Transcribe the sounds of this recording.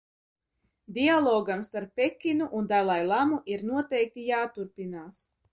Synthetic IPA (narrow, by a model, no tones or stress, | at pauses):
d̪ialˠɔːɡamst̪aɾpʲːekʲːinuʔund̪ajlˠajlˠamuʔiɾnuɔt̪ɛjk̚t̪ijaːt̪uɾpinaːs